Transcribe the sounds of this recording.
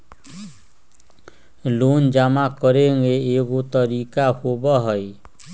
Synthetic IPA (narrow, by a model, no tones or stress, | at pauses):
loːnd͡ʒamakəɾeŋɡeeɡot̪əɾiːkahobaɦəj